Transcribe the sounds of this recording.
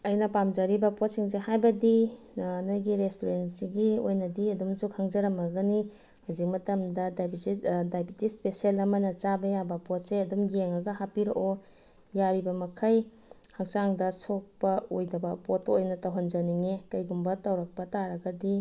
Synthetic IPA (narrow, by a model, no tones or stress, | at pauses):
ɐjnɐpamd͡ʒɐɾibɐpot̚siŋzehajbɐdi | nojɡiɾestoɾensiɡiojnɐdiɐdumsukʰaŋd͡ʒɐɾɐmɐɡɐni | huzik̚mɐtɐmdɐdajbitdajbitispesielɐmɐnɐt͡ʃabɐjabɐpot̚seɐdumjeŋɐɡɐɦapiɾo̰ʔo | jaɾibɐmɐkʰɐj | hak̚t͡ʃaŋdɐsok̚pɐojdɐbɐpotojnɐtawɦɐnd͡ʒɐniŋekɐjɡumbɐtawɾɐk̚pɐtaɾɐɡɐdi